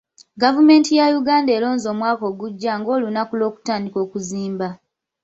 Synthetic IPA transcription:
ɡavume̞ːntijajuɡaːnde̞ːlo̞ːnzo̞ːmwaːko̞ːɡuɟːaŋɡo̞ːlunakulo̞ːku̥taːndiko̞ːkuziːmba

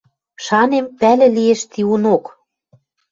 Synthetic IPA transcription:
ʃɑnempælɘ̆lieʃt̪iunok

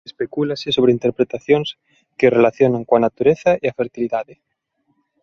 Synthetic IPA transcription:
espekulasesoβ̞ɾeint̪eɾpɾet̪aθjoŋs | kerelaθjonaŋkoanat̪uɾeθaiafeɾt̪iliðaðe

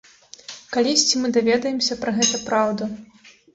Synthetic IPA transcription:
kalʲisʲt͡sʲimɨd̪avʲɛd̪ɐjɛmsʲɐpɾɐɣɛt̪ɐpɾawd̪ɐ

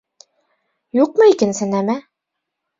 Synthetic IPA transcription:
juq̚mɤikɘ̆nsɘ̆næmæ

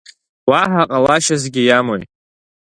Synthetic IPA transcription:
waħaqʼalaʃazɡʲɪjamojt

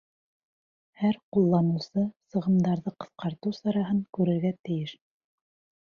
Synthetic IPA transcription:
hæɾqulˠːɑmɤ̆wsɤsɤ̆ʁɤ̆md̪ɑɾðɤqɤ̆θqɑɾt̪ɤwsɑɾɑɦɤŋkʉɾɘ̆ɾɡæt̪ɘ̆jɘʃ

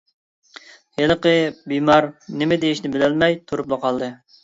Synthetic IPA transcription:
jeləqəbimɑɾnɪmɪd̪ejiʃnɪbɪlɛlmɛjt̪ʰuɾuplˠəqʰɑlˠd̪ɨ

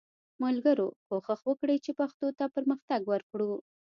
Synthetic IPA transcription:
malɡəɾopoxəxwəkɽəjt͡ʃepaxt̪ot̪apəɾməxt̪aɡwəɾkɽu

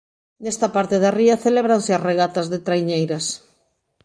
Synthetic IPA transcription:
nest̪apaɾt̪eðariaθeleβɾanseasreɣat̪azðet̪ɾajɲejɾas

